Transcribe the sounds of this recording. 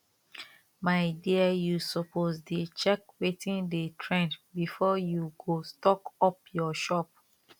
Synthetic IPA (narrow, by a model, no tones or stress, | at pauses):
maɪdiajusɔpʰozdet͡ʃɛkwetĩndetʰɹɛ̃ndbifɔjuɡostɔkɔp̚jɔʃɔp̚